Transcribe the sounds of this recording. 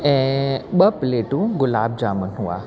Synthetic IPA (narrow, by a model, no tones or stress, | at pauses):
ɛ̃ɓɐpleːʈũɡʊlaːb̚d͡ʒaːmənɦua̰ː